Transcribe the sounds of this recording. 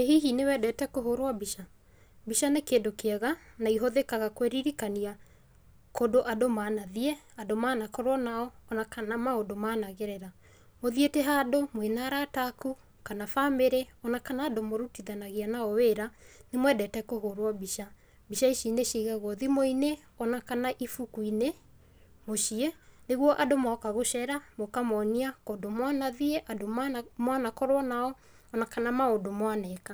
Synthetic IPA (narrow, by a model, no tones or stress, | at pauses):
eɦiɦinewɛdɛtɛkoɦoɾwabiʃa | biʃanekeːndokeaɣanaiɦoðekaɣakweɾiɾikania | kodoʔadomanaðiɛ | adomaːnakɔɾwɔnaɔːnakanamaodomaːnaɣeɾɛɾa | moðieteɦaːdomwenaːɾataku | kanafameɾeɔnakanaːdomoɾutiðanaɣianaɔweɾanemwɛdɛtɛkohoɾwabiʃa | biʃaiʃineʃiɣaɣɔðimoine | ɔnakanaʔifukuine | moʃiɛneɣwɔʔadomaɔkaɣoʃɛɾamokamɔniakodomwanaðiɛʔadomamwanakɔɾwanaɔː | nakanamaodomwanɛka